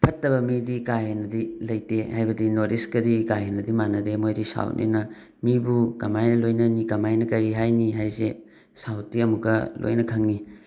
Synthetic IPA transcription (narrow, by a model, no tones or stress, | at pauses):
pʰɐtːɐbɐmidikaɦenɐdilɐjtehajbɐdinoɾiskɐdikajenɐdimanɐdemojdisa̰wnʔḛnɐ | mibukɐmajnɐlojnɐnikɐmajnɐkɐɾiɦajniɦajse | sawtiɐmuɡɐlo̰jnɐkʰɐŋni